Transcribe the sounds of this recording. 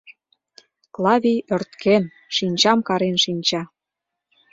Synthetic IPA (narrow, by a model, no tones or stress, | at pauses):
klˠɑvʲijørt̪kʰen | ʃinʲt͡ɕɑmkɑɾenʃinʲt͡ɕɑ